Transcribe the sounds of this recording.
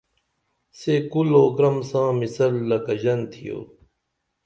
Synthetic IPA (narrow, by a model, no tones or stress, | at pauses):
sekuloːɡɾɐmsãːmisɐlːɐkɐd͡ʑɐnt̪ʰijo̰ː